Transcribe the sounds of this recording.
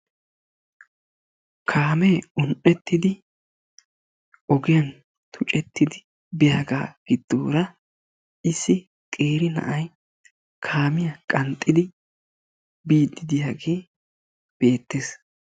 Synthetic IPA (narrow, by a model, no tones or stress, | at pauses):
kʰaːmeːʊnʔɛt̪ːɪd̪ɪ | ʔɔɡɪjɐn | t̪ʰʊt͡ʃʼɛt̪ːɪd̪ɪ | bɪjaːɡa̰ːɡ̥ɪd̪̥ːoːɾɐ | ɪsːɪ | kʼeːɾɪnɐ̰ʔɐj | kʰaːmɪjɐkʼɐnt̪ʼːɪd̪ɪ | biːd̪ːɪd̪ɪjaːɡe̞ː | b̥e̞ːt̪ːeːs